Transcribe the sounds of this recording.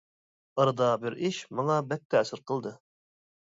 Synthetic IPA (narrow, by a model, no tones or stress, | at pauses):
ɑɾd̪ɑbɪɾiʃmɑŋɑbɛt̚t̪ʰːɛːsɨɾqʰəlˠd̪ɨ